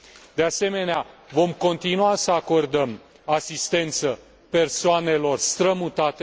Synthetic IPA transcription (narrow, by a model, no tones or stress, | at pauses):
d̪ease̞me̞neavo̞mko̞nt̪inuasəako̞rd̪əm | asist̪e̞nt̪sə | pe̞rsoane̞lo̞rst̪ɾəmut̪at̪e